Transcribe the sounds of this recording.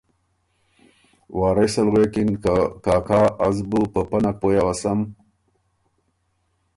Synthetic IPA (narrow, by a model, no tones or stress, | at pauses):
waːɾesɐlɣekinkaːkʰaːazbupəpɐnak̚pojawasɐm